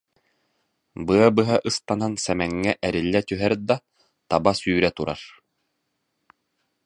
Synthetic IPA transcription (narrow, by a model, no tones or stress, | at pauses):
bɯɐbɯɦaʔɯst̪anansɛmɛŋːɛʔɛɾilːɛt̪yɦɛɾd̪a | t̪abasyːɾɛt̪uɾa̰ɾ